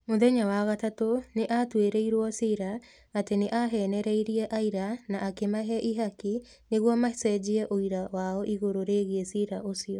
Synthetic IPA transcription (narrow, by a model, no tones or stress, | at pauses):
moðɛɲawaɣatatoneʔatweɾeiɾwɔsiɾa | ateneʔaɦɛnɛɾɛiɾiɛʔaiɾanaʔːkemaɦɛʔiɦaki | neɣwɔmasɛd͡ʑiɛʔoiɾawaɔʔiɣoɾoɾeɣeɛsiɾaʔosiɔ